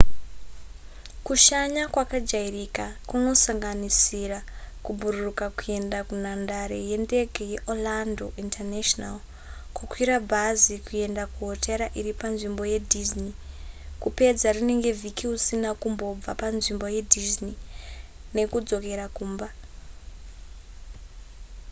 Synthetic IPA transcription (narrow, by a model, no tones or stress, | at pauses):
kuʃaɲakwakad͡ʒairikakuno̞saŋɡanisirakubʱururukakue̞ndakunandaɾe̞je̞nde̞ɡʱeje̞ʔolando̞ʔintʰarneʃonal | kukwiɾabʱazikue̞ndakuɦoteɾaʔiɾipanʐimbo̞je̞dʱiznikupe̞d͡zarune̞ŋɡe̞vʱikiusinakumbo̞b͡va̰panʐimbo̞je̞dʱizni | ne̞kud͡zo̞ke̞ɾakuːmba